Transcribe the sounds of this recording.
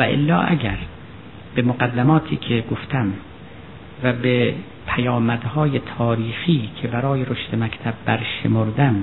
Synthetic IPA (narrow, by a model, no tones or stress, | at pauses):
væʔḛlːɒ̰ːʔæ̰ɟæɾ | b̥emoɡæd̪ːæmɒːt̪ʰḭːkʰeɡoft̪ʰæm | væbe | pʰæjɒːmæd̪hɒːjet̪ʰɒːɾiːxiːkʰebæɾɒːjeɾoʃt̪emækt̪ʰæbːæɾʃḛmoɾd̪æm